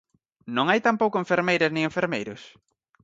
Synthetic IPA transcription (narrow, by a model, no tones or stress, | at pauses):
nõŋajt̪ampowkʊẽɱfeɾmejɾɐsnɪ̃ŋeɱfeɾmejɾʊs